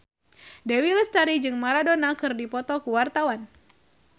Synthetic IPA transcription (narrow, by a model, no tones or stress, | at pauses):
dɛwilɛst̪aɾid͡ʒɨŋmaɾadonakɨrdipɔt̪ɔkuwart̪awan